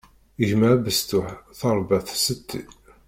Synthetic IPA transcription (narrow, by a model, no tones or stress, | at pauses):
əʒmæʕbəst̪ʊħθɑɾˤbæθsət̪ʰːḭ